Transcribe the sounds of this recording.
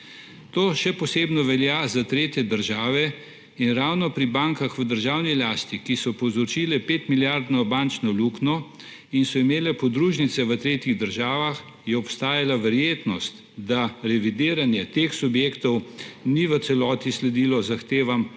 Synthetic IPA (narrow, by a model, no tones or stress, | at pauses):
t̪oːʃɛpɔseːbnɔʋɛljaːzat̪ɾeːt̪jɛd̪əɾʒaːʋɛ | inɾawnɔpɾibaːŋkaxʋəd̪əɾʒaːwnilaːst̪ikisɔpɔwzɔt͡ʃiːlɛpeːt̪miljaɾd̪nɔbaːnt͡ʃnɔluːknɔ | insɔimeːlɛpɔd̪ɾuːʒnit̪sɛʋət̪ɾeːt̪jiɣd̪əɾʒaːʋax | jɛɔpst̪aːjalaʋɛɾjeːt̪nɔst̪ | d̪aɾɛʋid̪iːɾanjɛt̪exsubjeːkt̪ɔwniʋət̪sɛlɔːt̪islɛd̪iːlɔzaxt̪eːʋam